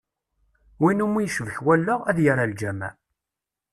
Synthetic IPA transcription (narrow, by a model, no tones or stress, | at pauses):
winumijəʃəvəçwælːəʁæðjəɾald͡ʒæmæ̰